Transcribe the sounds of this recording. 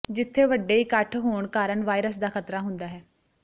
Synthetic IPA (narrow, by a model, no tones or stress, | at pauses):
d͡ʒɪt̪ʰːeːʋəɖeːiːkəʈʰɦoːɳkaːɾəɳʋaːiɾəsd̪aːkʰət̪ɾaːɦʊnd̪aːɦɛː